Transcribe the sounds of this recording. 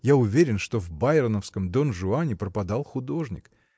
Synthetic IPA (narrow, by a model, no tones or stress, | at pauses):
jaʊvʲeɾʲɪnʂt̪o̞vbaɪɾənəfskəmd̪onʐʊanʲɪpɾəpɐd̪alˠxʊd̪o̞ʐnʲɪ̰k